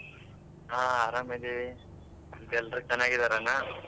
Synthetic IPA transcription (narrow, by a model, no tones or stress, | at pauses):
ɦaːaːɾamed̪ii | d̪ɛlːɾut͡ʃɐnːaːɡid̪aɾanːa